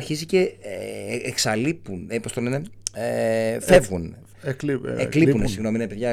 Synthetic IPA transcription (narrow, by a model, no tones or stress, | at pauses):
ɾçizice̞eeksɐlipunepost̪o̞lene̞efe̞vɣun | eklipunesiɣno̞miinɐpeðʝɐ